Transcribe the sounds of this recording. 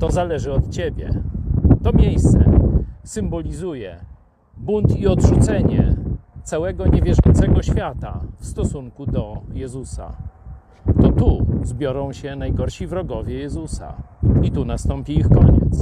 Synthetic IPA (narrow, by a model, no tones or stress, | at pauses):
t̪ɔzalɛʐɘɔt̪t͡ɕebʲjɛ̰t̪ɔmʲejst̪sɛ̰sɘmbɔlʲizujɛ | bunt̪iɔd̪ʐut̪sɛɲɛ̰t̪sawɛɡɔɲɛvʲjɛʐɔnt̪sɛɡɔɕfʲjat̪a̰fst̪ɔsuŋkud̪ɔjɛzusa̰ | t̪ɔt̪uzbʲjɔɾɔ̃w̃ɕɛnajɡɔɾɕivɾɔɡɔvʲjɛjɛzusa̰it̪unast̪ɔmpʲiixkɔɲɛ̰t̪s